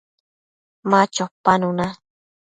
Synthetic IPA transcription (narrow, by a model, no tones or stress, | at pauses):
mãt͡ʃopanũna